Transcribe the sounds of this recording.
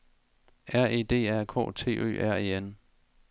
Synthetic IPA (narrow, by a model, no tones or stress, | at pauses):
ʔæɐ̰e̝̰ːd̥e̝̰ːæɐ̰kʰɔ̰ːt͡sʰe̝̰ːʔø̰ːʔæɐ̰e̝̰ːen